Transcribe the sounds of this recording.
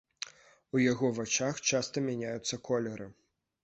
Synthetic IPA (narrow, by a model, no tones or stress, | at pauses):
ujaɣɔvat͡ʂaxt͡ʂast̪ɐmʲanʲajut̪sːɐkʰɔlʲɛɾɨ